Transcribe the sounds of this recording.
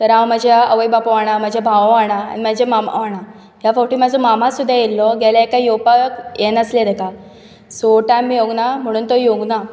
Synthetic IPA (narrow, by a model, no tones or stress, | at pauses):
t̪əɾãwmad͡ʑʱjaəʋəjbapoʋaɽ̃am̤ad͡ʑʱjabʱaʋʋaɽ̃a̰ːnimad͡ʑʱjamam̤a̰ʋaɽ̃a | jafɔkʈiːm̤ad͡zʱɔmam̤asud̪ʱːajelːɔɡalaekajopakjenəsled̪əka | soʈamːijoɡnam̤əɽ̃uːnt̪ojoɡna